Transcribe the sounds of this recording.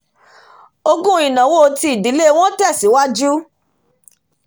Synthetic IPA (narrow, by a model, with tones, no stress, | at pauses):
o˧ɡũ˦ĩ˨nã˨˦wo˦˧ti˧i˨di˨˦le˦w̃ɔ̃˦tɛ˦˨si˨˦wa˦d͡ʒu˦